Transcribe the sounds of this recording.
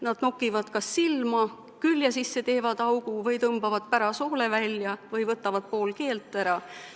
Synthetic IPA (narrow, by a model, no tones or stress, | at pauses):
nɑd̪̥nokːˑivɑd̪̥kɑsːilmɑ | kylʲjɑsisːe̞t̪e̞ːvɑd̪̥ɑwɡ̥uvɤjt̪ɤmb̥ɑvɑd̪̥pæɾɑso̞ːlevælʲjɑvɯjvɤt̪ːˑɑvɑd̪̥̚po̞ːlke̞ːlt̪ːˑæɾɑ